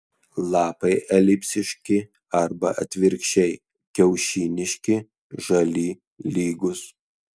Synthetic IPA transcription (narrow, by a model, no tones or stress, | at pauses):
lˠɑːpɐɪʔɛlʲɪpʲsʲɪʃʲkʲɪ | ɐɾbɐʔɐt̪ʲʋʲɪɾʲkʃʲɛɪ | kʲɛʊʃʲiːnʲɪʃʲkʲɪ | ʒɐlʲiː | lʲiːɡʊs